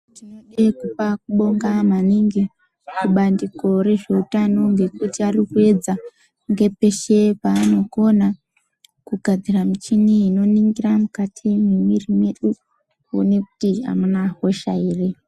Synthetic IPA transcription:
tinoɗekupak̚uɓo̞ŋɡamaniŋɡi | kuɓandiko̞ɾe̞ʐe̞utano̞ŋɡe̞kutiarikue̞d͡za | ŋɡe̞pe̞ʃe̞paːno̞ko̞na | kuɡʱad͡ziramit͡ʃiniino̞niŋɡiramukatʰimemirimeɗu | ṵne̞ku̥tia̰munaɦo̞ʃaiːre

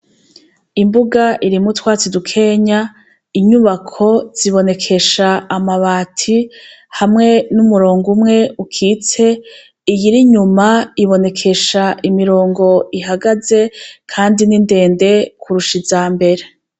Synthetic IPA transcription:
imbuɡaʔiɾimutwaːt͡sidukʰe̞ɲa | iɲuβakʰo̞z̥iβo̞ne̞kʰe̞ʃaːmaβaːtʰi | hamŋe̞numuɾoːŋɡumŋe̞ukʰiːt͡se̞ | ijiɾiɲumaiβo̞ne̞kʰe̞ʃaʔimiɾo̞ːŋɡo̞iɦaɡaze̞kʰaːndininde̞ːnde̞kʰuɾuʃizaːmbe̞ɾe

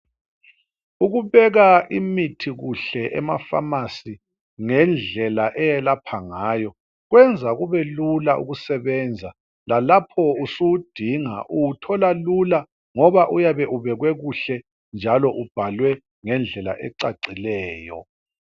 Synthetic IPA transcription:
uɣuβɛɣaʔimitʰiɣuɬɛʔɛ̰ma̰fa̰masi | ŋɛnd͡ɮʱɛlaʔɛjɛlapʰaŋaːjɔ | ɣwɛnd͡zʱaɣuβɛlulaʔṵɣusɛβɛnd͡zʱa | lalapʰɔusuud̥ʱiŋa̰ʔuwutʰɔlalula | ŋɔβaʔujaβɛʔuβɛɣwɛɣuɬɛ | nd͡ʒʱalɔʔub̥ʱalwɛ | ŋɛnd͡ɮʱɛla̰ʔɛǀaǀilɛːjɔ̰

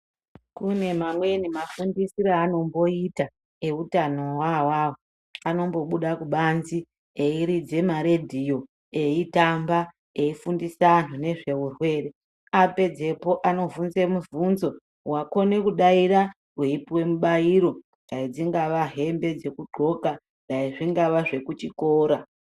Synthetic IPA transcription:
kune̞mamwe̞nimafundisiɾaano̞mbo̞ita | e̞utano̞wawaːwo | ano̞mbo̞ɓuɗakuɓanzi | eiɾid͡ze̞maɾe̞dʱijo̞ | e̞itamba | e̞ifundisan̤une̞ʐe̞urwe̞ːre̞ | ape̞d͡ze̞po̞ʔano̞vunze̞muvunzo̞ | wako̞ne̞kuɗaiɾa | ɦweipwe̞muɓaiɾo̞ | ndaid͡ziŋɡaʋaɦe̞mbe̞d͡ze̞kuɡ͡ǃʱo̞ka | ndaiʐiŋɡaʋaʐe̞kut͡ʃikoːɾa

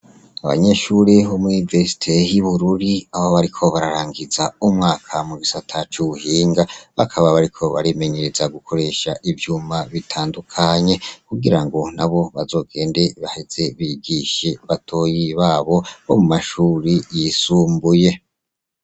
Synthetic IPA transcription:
aβa̰ɲe̞ʃuɾeβomuuniveɾsi̥tʰe̞jiβuɾuɾiaβoβaɾikʰo̞βaɾaɾaːŋɡizaumŋaːkʰamuɡisatʰat͡ʃuβuhiːŋɡaβakʰaβaβaɾikʰo̞βa̰ɾime̞ɲe̞ɾezaɡukʰo̞ɾe̞ʃaʔivjuːmaβitʰaːndukʰaɲe̞kuɡiɾaŋɡo̞naβo̞βazo̞ːɡe̞ːnde̞βahiz̥e̞βiɡiʃeβatʰo̞ːjiβaːβo̞βo̰mumaʃuːɾijisuːmbuje̞

